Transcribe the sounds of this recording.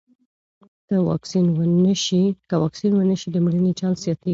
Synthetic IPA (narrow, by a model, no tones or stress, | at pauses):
kəwɑ̰ksinwənəʃikəwɑksinwənəʃid̪əmɽənit͡ʃɑnsjɑt̪e